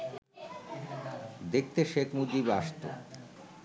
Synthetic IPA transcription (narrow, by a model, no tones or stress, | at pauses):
d̪ek̚ʰt̪eʃekʰmud͡ʑibaʃt̪o̰